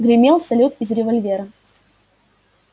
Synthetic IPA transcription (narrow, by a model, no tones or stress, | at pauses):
ɡɾʲɪmʲelˠsɐlʲut̪ɪzɾʲɪvɐlʲvʲeɾə